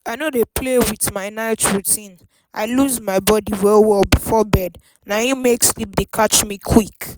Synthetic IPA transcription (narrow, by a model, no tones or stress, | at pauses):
aɪnodepʰlewiðmaɪnaɪtɹutʰĩn | ʔa̰ɪluzmaɪbɔdiwɛlwɛlbifɔbɛd | nãjũmekslip̚dekʰat͡ʃmĩkʰwik